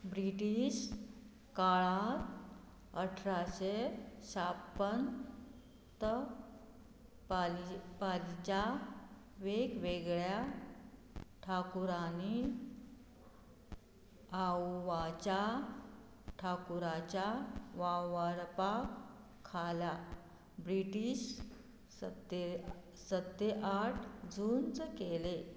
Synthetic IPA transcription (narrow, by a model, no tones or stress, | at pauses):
bɾiʈiɕ | kaɭat̪ | əʈʰɾaɕesapːən | t̪ə | palt͡ɕa | ʋekʋeɡɭja | ʈʰakuɾani | awʋat͡ɕa | ʈʰakuɾat͡ɕjaʋaʋaɾpakʰː | ala | bɾiʈiːɕ | t̪ | sət̪ːeʔaʈʰd͡zʱunt͡skele